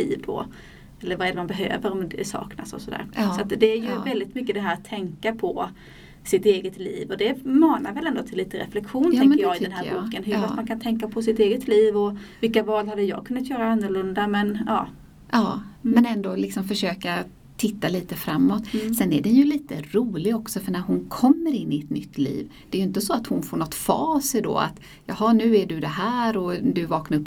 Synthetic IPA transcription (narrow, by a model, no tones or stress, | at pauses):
ḭːvd̪ɔ̰ | ɛlːəɾvaɾɛːɖ̪ɛmanbɛɦø̰ːvəɾɔmd̪ɛsɑ̰ːkna̰sɔ̰sɔd̪æ̰ːɾsɔat̪d̪ɛæɾjɵvɛld̪ɪt̪mʏkːəd̪ɛɦæːɾat̪ʰːɛŋkapʰɔ | sɪt̪eːɡət̪lḭːvɔd̪ɛmɑːnaɾvɛlɛnd̪ɔt̪ʰɪlːiːt̪əɾɛ̰flɛkɧuːnt̪ɛŋkəjɑːɡɪdd̪ɛnhæːɾbuːkənɦɵɾfastmankʰant̪ʰɛŋkːapʰɔsɪt̪eːɡət̪liːvɔvɪlkavɑːlhad̪ːəjɑ̰ːkʰɵnːat̪jœːɾaanːʊɾɭɵnd̪amɛnɑ̰ː | ʔɑːmɛnɛnd̪olɪksɔmfœʂøːka | t̪ʰɪt̪ːaliːt̪əfɾamːɔt̪sɛnːæɖɛnjɵliːt̪əɾuːlɪɡɔksɔfœɳæɾɦʊnkʰɔmːəɾɪnːɪɛt̪nʏt̪ːlḭːvd̪̥ɛːjʏɪnt̪əsɔat̪hʊnfoːɳɔt̪ːfɑ̰ːsɛɖo̰ːa̰t̪ | jɑːɦɑnʉ̟ːæɖɵd̪ɛɦæːɾɔd̪ɵvɑːknaɾɵpː